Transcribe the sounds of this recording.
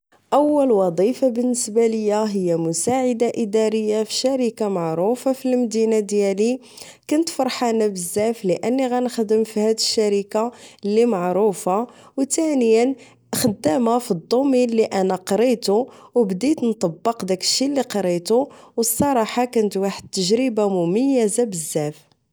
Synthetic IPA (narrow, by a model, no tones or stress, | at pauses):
ʔəwːəlwɑd̪ˤifabənːəsbaləjːæɦəjːæmʊsaʕəd̪aʔid̪ɑɾəjːafi̥ʃæɾikamaʕɾufafilmd̪inad̪jæli | kʊnt̪fɑɾˤħanæbəzːæfləʔənːiɣænxd̪əmfihæd̪əʃːæɾikalːimɑʕɾˤufa | wt̪ænəjən | xəd̪ːæmafid̪ˤːomilːiʔænæqɾit̪uwbd̪it̪nt̪ˤɑbːəqd̪ækə̥ʃːilːiqɑɾit̪uwəsˤːɑɾˤɑħɑkʊnət̪waħəd̪̚t̪ːəʒɾibamʊməjːæzabəzːæf